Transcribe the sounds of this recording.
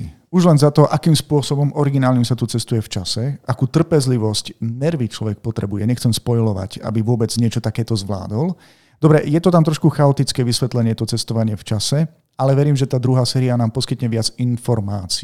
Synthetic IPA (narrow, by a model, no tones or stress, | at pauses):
uʒlɛnzat̪ɔʔakiːmspʊɔsɔbɔmɔɾiɡinaːlɲimsat̪ut͡sɛst̪ujɛft͡ʃasɛakuːt̪r̩pɛzliʋɔscnɛɾʋit͡ʃlɔʋɛk̚pɔt̪ɾɛbujɛɲɛxt͡sɛmspɔjlɔʋa̰ca̰biʋʊɔbɛd͡zɲɪɛt͡ʃɔt̪akɛːt̪ɔzʋla̰ːd̪ɔl | d̪ɔbɾɛjɛt̪ɔt̪amt̪ɾɔʃkuxaɔt̪it͡skɛːʋisʋɛt̪lɛɲɪɛt̪ɔt͡sɛst̪ɔʋaɲɪɛft͡ʃasɛ | alɛʋɛɾiːmʒɛt̪aːd̪ɾuɦaːsɛːɾianaːmpɔskit̪ɲɛʋɪad͡zinfɔɾmaːt͡si